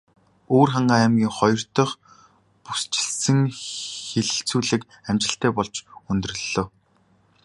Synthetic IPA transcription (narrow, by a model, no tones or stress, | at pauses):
oːrχaɴɢaːæmɡʲiːŋχɔjɞ̆r̥t̪ɞ̆χ | pust͡ɕɪ̥̆ɮsɘ̆ŋxeɮɘ̆ɬt͡suːɮɘ̆k | æmt͡ɕɪ̆ɬt̪æːpɔɮt͡ɕɵnt̪ɵ̆rɵ̆ɮːoː